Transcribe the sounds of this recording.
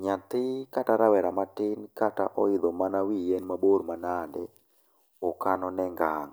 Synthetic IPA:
ɲat̪ɪkataɾawɛɾamatɪnkataʔɔɪd̪ɔmanawijɛnmaboɾmanandɛ | ɔkanɔnɛŋɡaŋ

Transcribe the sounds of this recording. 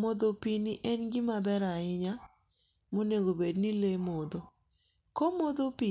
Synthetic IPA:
mɔd̪opinɪʔɛnɡɪmabɛɾaɪɲa | moneɡobednilemɔd̪o | komɔd̪opi

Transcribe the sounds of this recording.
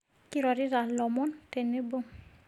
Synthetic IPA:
kiɾaɾiɾalɔmɔnt̪ɛnebo

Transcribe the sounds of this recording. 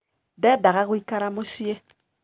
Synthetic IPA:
dɛdaɣakuikaɾamusie

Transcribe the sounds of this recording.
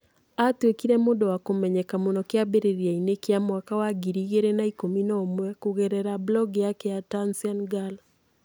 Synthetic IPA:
atwekiɾɛmodɔwakomɛɲɛkamonɔkɪabeɾeɾiainekeamwakawaɡiɾiɣeɾenaikominɔmwɛkoɣɛɾɛɾablɔɡjakɛjatansianɡal

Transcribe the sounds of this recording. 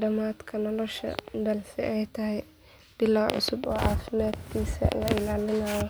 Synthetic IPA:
ɖɐmaːd̪kʰɐnɔlɔʃɐ̰d̪ɐlsɪ̰ʔɛjt̪ʰɐɦɛj | b̥ɪlawʕʊ̰sʊbɔːʕɑːfɪmaːd̪kʰiːsɐ̰lɐɪlaːlɪnaːjɔ

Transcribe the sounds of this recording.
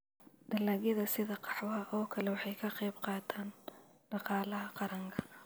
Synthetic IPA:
d̪̥ɐlɐɣɪðɐsɪðɐqɑ̥ħwɐɦɐʔɔːkʰɐlɛwɑħɑjkʰɐqɑjbqɑːt̪ʰaːnɖ̥ɑqɑːlɐɦɐqɑɾɐŋkʰɐ̥

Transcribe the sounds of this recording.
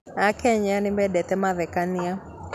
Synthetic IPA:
akɛɲanimbɛɗɛt̪ɛmaðɛkania

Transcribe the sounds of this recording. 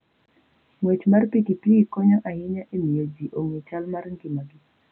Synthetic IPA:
mwet͡ʃmarpikipiikɔɲɔʔajɪɲaʔemiod͡ʒiʔoŋet͡ʃalmarŋɡɪmaɡɪ

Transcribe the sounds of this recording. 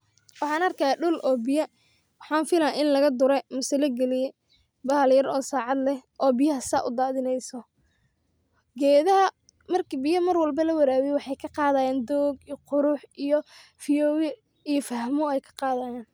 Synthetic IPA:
wɑħɑːnɐrkʰɐːɖʊlʔɔːbɪjɐ | wɑħɑːnfɪlaʔɪnlɐɣɐd̪ʊɾɛmʊsɐlɐɡɛlɪjɛ | bɐːljɐɾɔːsaːʕɑd̪lɛʔɔːbɪjɐɦɐsa̰ːʔʊ̰d̪aːðɪnɛjsɔ | ɡɛːðɐɦɐ | mɐrkʰibɪjɐmɐrwɑlbɐlɐwɐɾaːwɛjwɑħɑjkʰɐqɑːðɐːjaːnd̪ɔːɡqʊɾʊħijɔ | fijɔːwɛ | ijɔfɐɦmʊɛjkʰɐ̥qɑːðajaːn

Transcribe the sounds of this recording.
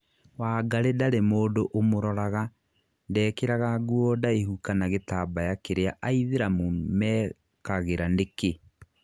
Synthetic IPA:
waːɡaɾedaɾemoːdoʔomoɾɔɾaɣa | ndɛːkeɾaɣaɡuɔdaehukanaɣetabajakeɾeaʔaiðeɾamomɛ | kaɣeɾandeke

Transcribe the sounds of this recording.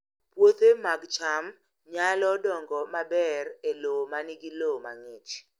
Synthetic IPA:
pwot̪emaɡt͡ʃam | ɲalɔdɔŋɡɔmabɛrelomanɪɡɪloma̰ŋɪt͡ʃ

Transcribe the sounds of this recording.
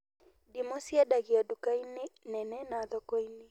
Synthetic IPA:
dimɔsiadaɣiɔdukainenɛnɛnaðɔkɔini

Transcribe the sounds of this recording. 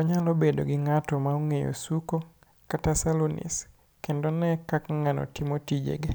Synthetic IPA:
ɔɲalɔbedo̰ɡɪŋatɔmaoŋejo̰suko | katasalonḭs | kendonɛkakŋanɔ̰tɪmotid͡ʒḛɡe

